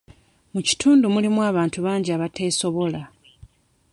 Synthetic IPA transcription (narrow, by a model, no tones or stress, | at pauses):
muci̥tʰuːndumulimuwaːβaːntuβaːɲɟiaβatʰe̞ːso̞βo̞la